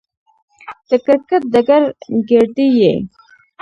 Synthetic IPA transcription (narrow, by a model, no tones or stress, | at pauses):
d̪̥əkəɾkat̪̚d̪aɡaɾɡeɾɖ̪ijḛ